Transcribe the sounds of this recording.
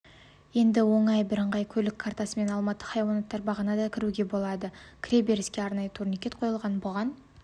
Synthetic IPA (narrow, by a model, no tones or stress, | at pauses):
je̞nd̪ɪwo̞ɴɑjbɪɾəɴʁɑjkʲʰɵlɪkʰːaɾt̪ɑsəme̞nɑlˠmɑt̪ːə̥χɑjwɑnot̪ːɑɾbɑʁənɑd̪ɑkʲʰɪɾuɡʲe̞bo̞lˠɑd̪əkʲʰɾʲebe̞ɾɪskʲe̞ɑɾnɑjət̪ʰuɾnikʲe̞t̪qʰo̞jəlˠʁɑnbʊʁɑn